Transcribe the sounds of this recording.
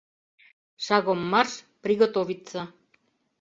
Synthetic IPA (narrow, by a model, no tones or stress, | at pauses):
ʃaɣomːarʃpɾiɣot̪oβit͡sːa